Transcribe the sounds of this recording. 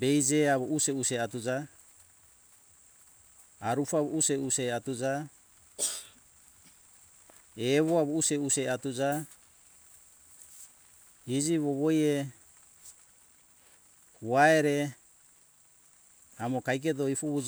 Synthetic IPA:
bejd͡ʒeaβoʔuseuseatud͡ʒa | aɾufaβoʔuseuseatud͡ʒa | eβoaβouseuseatud͡ʒa | id͡ʒiβoβoje | huaeɾe | amokajk̬etoifuβu

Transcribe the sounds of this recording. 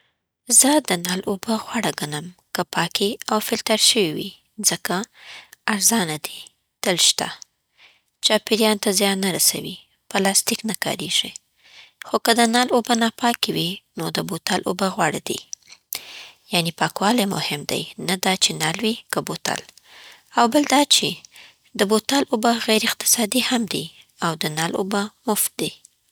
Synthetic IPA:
zəd̪ənɑlʔobəɣwɑɽaɡanəmkəpɑkiawfɪlt̪aɾʃəwiwḭ | zəkaː | ɾzɑnad̪i | t̪əlʃt̪a̰ | t͡ʃɑpɪɾjɑnt̪azjɑnːaɾasa̰wi | pəlɑst̪iknakɑ̰ɾeʒ̥i | xokəd̪ənɑlobənɑpɑkiwinod̪əbot̪alʔo̰baɣwɑɽad̪ḭ | janipɑkwɑlajmʊ̰hɪmd̪a̰jnad̪ɑt͡ʃenalwikəbot̪a̰l | awbəld̪ɑt͡ʃe | d̪əbot̪alʔobaɣajɾɪqt̪ɪ̥sɑd̪ihamd̪i | awd̪ənalo̰bamʊft̪̚d̪i

